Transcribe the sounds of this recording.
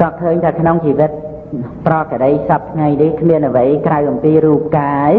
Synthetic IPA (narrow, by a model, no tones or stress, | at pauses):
kɑːkʰəːɲt̪ʰaːkʰnoŋt͡ɕiːʋɨt̪̚ | prɑːkəɗəjsɑp̚t̪ʰŋajnihkʰmiənʔəʋəjkrawʔɑmpiːɾuːp̚kaːj